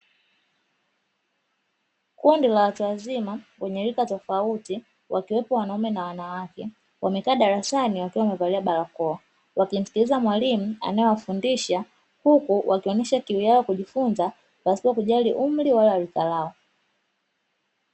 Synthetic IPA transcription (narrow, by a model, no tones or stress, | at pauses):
kundilawatuwazimawɛɲɛɾikatɔfauti | wakiwɛpɔwanaumɛnawanawakɛ | wʔamɛkaːɗaɾasaniwakiwamɛvaliaɓalakɔɔ | wakim̩si̥kilizamwalimua̰najɔwafundiʃa | hukuwʔakiɔnɛʃakiwijaɔkuʄifunza | pasiakuʄaliʔum̩liwalalikalaɔ